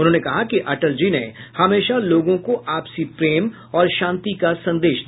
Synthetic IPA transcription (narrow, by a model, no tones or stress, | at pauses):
ʊnɦõːnekɐɦakiʔɐʈəld͡ʒinehɐmeːʃaloːɡõkoʔaːpsipɾeːm | ɔːɾʃãːnt̪ikasɐ̃nd̪eːʃd̪